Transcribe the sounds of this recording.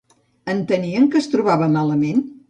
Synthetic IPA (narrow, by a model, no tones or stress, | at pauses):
ənt̪əniəŋkəst̪ɾuβaβəmaləmen